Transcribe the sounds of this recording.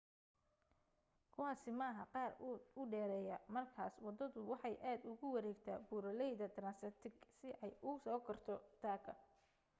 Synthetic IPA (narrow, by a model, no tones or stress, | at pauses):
kʰʊɑsɪmɐɦɐqɑːrʊʊɖɛːɾɛjɐmɐrkʰaːswɑd̪ɐðʊwɑħɑjʔaːd̪ʊɣʊwɐɾɛːɡt̪ʰa̰ːbuːɾɐlɛjðɐt̪ɾaːnsɛt̪ʰɪɡsɪʔɛjʔʊsɔːkʰɐrt̪ʰɔd̪̥ʰaːkʰɐ